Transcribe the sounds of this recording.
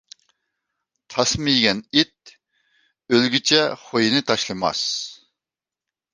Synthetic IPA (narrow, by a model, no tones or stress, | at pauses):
t̪ʰɑsmɨjɡʲɛnit̪̚ | ølɡʲit͡ʃʰɛχojinɨt̪ʰɑʃlˠɨmɑ̰s